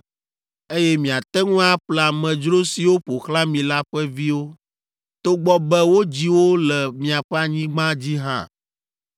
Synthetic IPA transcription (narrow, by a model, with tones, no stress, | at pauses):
e˦jɛ˦mĩ˨a˨t̪ɛ˦ŋũ˦a˦ɸlɛ˨a˨mɛ̃˨d͡ʒɾo˦si˨wo˦ɸo˨xlã˦mĩ˨la˦ɸɛ˦vi˦wo˦ | t̪o˦ɡ͡bɔ˦bɛ˦wo˦d͡ʑi˦wo˦lɛ˨mĩ˨a˨ɸɛ˦a˨ɲĩ˦ɡ͡bã˦d͡ʑi˦ɦã̰˦